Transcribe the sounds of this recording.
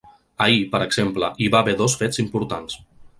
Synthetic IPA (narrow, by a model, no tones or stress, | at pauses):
əipəɾəɡz̥empləʔiβaβeðɔsfezimpuɾt̪ans